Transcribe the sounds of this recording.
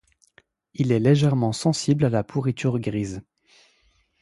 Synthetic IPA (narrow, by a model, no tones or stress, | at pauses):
ilɛleʒɛʁmɑ̃sɑ̃siblalapʰuʁit̪ʰyʁɡʁiz